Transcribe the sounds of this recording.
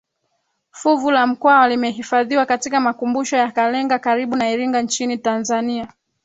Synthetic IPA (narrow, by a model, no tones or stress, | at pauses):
fuvulam̩kwawalimɛɦifaðiwakatikamakumbuʃɔjakalɛŋɡakaɾiɓunaiɾiŋɡant͡ʃinitanzania